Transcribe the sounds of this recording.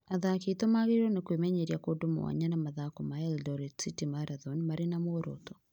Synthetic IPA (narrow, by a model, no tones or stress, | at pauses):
aðaketomaɣeɾɔnekwemɛɲeɾjakodomo̰wa̰ɲanamaðakɔmaɛldɔɾɛtsitimaɾaðɔnmaɾenamoɾo̰tɔ̥